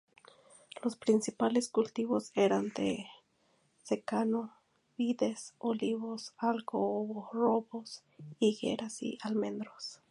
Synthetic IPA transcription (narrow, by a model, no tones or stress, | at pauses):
lospɾinsipaleskult̪iβoseɾand̪ḛ | sekano | biðesoliβosalkooβoroβos | iɡḛɾasḭalmend̪ɾos